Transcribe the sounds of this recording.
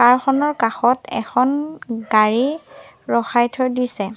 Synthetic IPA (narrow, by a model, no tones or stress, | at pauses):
kaɹxɔnɔɹkaxɔtɛ̰xʰɔnɡaɹi | ɹɔxajtʰɔɹdisɛ